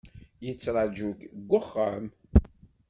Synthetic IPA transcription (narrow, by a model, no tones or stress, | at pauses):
jət͡sːɾˤɑd͡ʒukɡʷːʊχːəm